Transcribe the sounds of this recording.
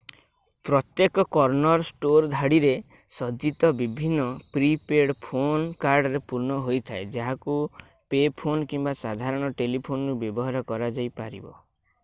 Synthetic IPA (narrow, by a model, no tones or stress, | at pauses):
pɾɔt̪jekɔkɔɾnɔɾsʈoɾd̪ʱaɽiɾe | sɔd͡ʒit̪ɔbibʱinːɔpɾipeɽpʰonkaɾɖɔɾepuɾnɔɦojt̪ʰaed͡ʒaɦaku | pepʰonkimbasad̪ʱaɾɔɽ̃ɔʈelipʰonɔɾubjɔbɔɦaɾɔkɔɾad͡ʒajpaɾḭbɔ̰